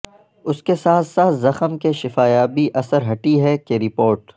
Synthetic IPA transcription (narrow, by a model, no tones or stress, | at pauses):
ʊskesaːt̪ʰsaːt̪ʰzɐxəmkeʃɪfaːjaːbiʔɐsəɾɦɐʈiɦɛkeɾɪpoːɾʈ